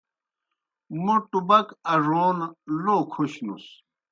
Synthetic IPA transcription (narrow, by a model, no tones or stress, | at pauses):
muʈubɐkɐʐoːnloːkʰuɕnṵs